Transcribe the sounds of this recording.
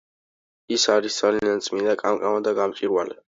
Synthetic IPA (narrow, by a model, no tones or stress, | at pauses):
isaɾisd̪z̥aliant̪sʼmind̪akʼamkʼamad̪aɡamt͡ʃʼiɾwalɛ